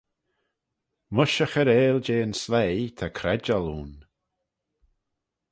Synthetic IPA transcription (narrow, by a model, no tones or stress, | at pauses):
mʊʃəxəɾeːld͡ʒeːnslejt̪ʰakʰɾɛd͡ʒalˠuːn